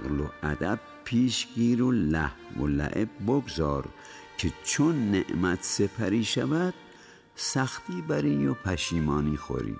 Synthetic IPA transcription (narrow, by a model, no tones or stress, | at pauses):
ɣloʔæd̪æb̥̚ | pʰːiːʃɡiːɾolæhmo̰læ̰ʔeb̚ːoɡzɒːɾ | kʰet͡ʃʰonːeʔmæt̪ʰsepʰæɾiːʃævæd̪̥̚ | sæxt̪iːbæɾiːnjopʰæʃiːmɒːniːxo̰ɾḭː